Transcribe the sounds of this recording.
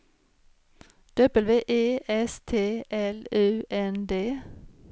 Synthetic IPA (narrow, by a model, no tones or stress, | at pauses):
d̪̥œbəlʋeːʔeːʔɛst̪ʰeːʔɛlʉːʔɛnd̪eː